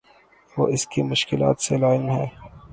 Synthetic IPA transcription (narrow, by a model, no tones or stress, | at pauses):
ʋo̰ːʔɪskimʊʃkɪla̰ːt̪selaːɪmɦɛː